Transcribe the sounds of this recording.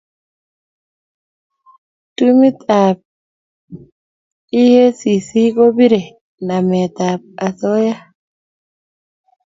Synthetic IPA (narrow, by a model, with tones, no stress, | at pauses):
tu˦mi˦t̪a˨p̚ | i˦he˦si˨si˦ko˦bi˦ɾɛ˨ | na˨me˨t̪a˨p̚a˨sɔ˦ja˦